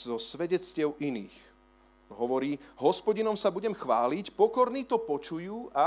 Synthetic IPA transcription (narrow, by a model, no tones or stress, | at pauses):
zɔsʋɛɟɛt͡scɪɛʊʔiniːx | ɦɔʋɔɾiːɦɔspɔɟinɔmsabuɟɛmxʋaːlicpɔkɔɾniːt̪ɔpɔt͡ʃujuːʔa